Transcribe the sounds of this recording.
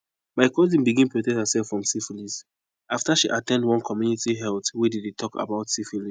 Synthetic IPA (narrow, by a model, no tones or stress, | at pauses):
maɪkɔzĩnbiɡĩnpɹotɛkthəsɛlfɹɔ̃msifilis | aftaʃiʔatɛ̃ndwɔ̃nkʰɔmjunitiɦɛltwedidetʰɔka̰baʊtsifilĩ